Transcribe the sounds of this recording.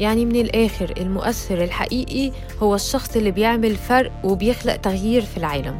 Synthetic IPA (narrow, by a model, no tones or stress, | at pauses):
jaʕnimɪnɪlʔæːxɪɾɪ̰lmʊʔæθːɪɾɪlħa̰ʔiːʔi | hʊwːæʃːɑxsˤʔɪlːibjeʕmɪlfɑɾˤʔwɪbjɪxlaʔt̪aɣjiːɾfilʕaːlæm